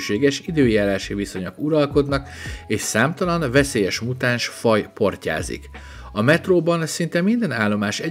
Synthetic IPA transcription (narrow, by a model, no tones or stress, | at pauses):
ʃeːɡɛʃid̪øːjaːɾaːʃiviso̞ɲɒkuɾɒlko̞d̪nɒkeːʃsaːmt̪ɒlɒnvɛseːjɛʃmut̪aːnʃfɒjpo̞rca̰ːzḭk | ɒmɛt̪roːbɒnsint̪ɛmind̪ɛnaːlːo̞maːʃɛ